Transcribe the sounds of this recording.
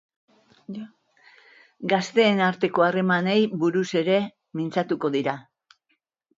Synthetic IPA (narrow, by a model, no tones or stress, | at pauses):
ɡast̪e̞ːnaɾt̪e̞ko̞are̞mane̞jβuɾuse̞ɾe̞ | mint͡sat̪uko̞ðiɾa